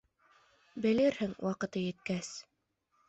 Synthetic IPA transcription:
bɘ̆lɘɾhɘŋwʔɑqɤ̆t̪ɤjɘ̆t̪kæs

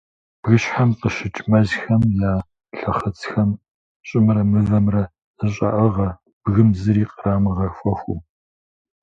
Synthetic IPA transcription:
b̥ɣɨɕħamqəʃɪt͡ʃʼmɐʑxɐmjaː | ɬɐχət͡sʰxɐm | ɕʼɪmɾɐmɨvɐmrɐ | ɨɕʼɐ̰ʔɐʁɐ | b̥ɣɨmzɨɾiːqəraːmɨʁɐfʷɐxʷʊm

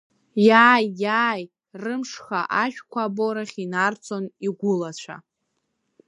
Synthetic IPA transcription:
jaːjːaːj | rɨmʂχaʔaʃᶣkʷʰaːboɾaχʲinart͡sʰʼo̞niɡʷʊlat͡ɕʷʰa̰

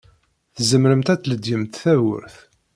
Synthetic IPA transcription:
θzəmɾəmt̪æt͡sːləd̪jəmt̪θæwə̰ɾθ

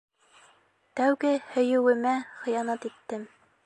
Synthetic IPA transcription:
t̪æwɡɘhɵ̆jɘ̆wɘ̆mæχɤ̆jɑnɑt̪it̪ːɘm

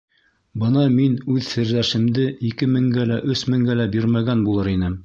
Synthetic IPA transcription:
bɤnɑminʉðsɘ̆ɾlæʃɘ̆md̪ɘʔikɘmɘ̆ŋɡælæʔɵsmɘ̆ŋɡælæbiɾmæɡænbulˠɤɾinɘ

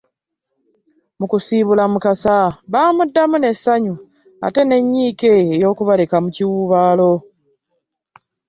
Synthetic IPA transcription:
mukusiːβulamukasaβaːmudːamune̞sːaɲu | a̰te̞ne̞ɲːiːke̞ːjo̞ːkuβale̞kamuciwuβaːlo̞

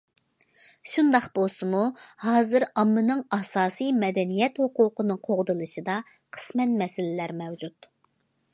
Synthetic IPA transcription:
ʃund̪ɑqb̥olˠsɨmuhɑːzɨɾɑmːɨnɨŋɑsɑːsijmɛd̪ɛnijɛt̪hʊqʊqʰənɨqʰoʁd̪ɨlˠɨʃɨd̪ɑ | qʰə̥smɛt̪mɛsɪlɪlæɾmɛwd͡ʒut̪

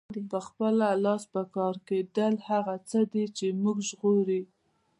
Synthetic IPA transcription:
d̪pəxpəlalɑspəkɑɾked̪əlhaɣat͡səd̪it͡ʃemuɡʒɣoɾi

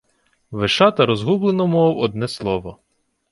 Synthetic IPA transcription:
ʋɪʃɑt̪ɐɾɔzɦublˠenɔmɔwɔd̪nɛslˠɔʋɔ

